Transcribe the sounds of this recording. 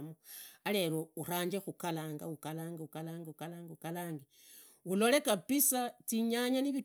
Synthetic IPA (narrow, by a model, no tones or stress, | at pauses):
moale̞louraːɲd͡ʒexukalaːŋɡaukalaːŋɡaukalaːŋɡaukalaːŋɡaukalaːŋɡe | ulo̞le̞kapisatiɲaɲaniβi